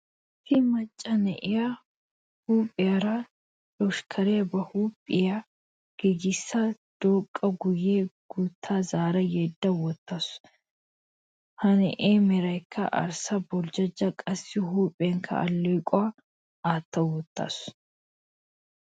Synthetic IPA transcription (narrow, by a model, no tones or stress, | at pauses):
fɪmɐt͡ʃʼːɐnɛʔɪjɐ | huːpʼːɪjɐɾɐ | lɔʃkʰɐɾɛjɐbɐhuːpʼːɪjɐ | ɡ̥ɛɡɪsːɐ | d̪̥oːkʼːɐɡʊjeːɡ̥uːt̪ʰːaːzaːɾɐjɛːd̪ːɐwɔt̪ːas | hɐnɛ̰ʔeːmɛɾɐjkʰːɐ̰ʔɐ̰ɾsɐbɔld͡ʒɐd͡ʒːɐkʼɐsːɪɦuːpʼeːŋkʰɐ̰ɐ̰lːɔjkʼɔɐ | aːt̪ːɐwɔt̪ːa̰ːs